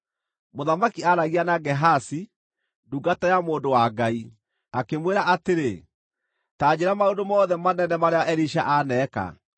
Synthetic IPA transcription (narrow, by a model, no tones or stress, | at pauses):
moðamakiaɾaɣianaɡɛɦasi | duɡatajamoːndowaɡai | akemweɾaʔateɾe | taːd͡ʑeɾamaondomɔːðɛmanɛnɛmaɾeaʔɛɾiʃaʔanɛka̰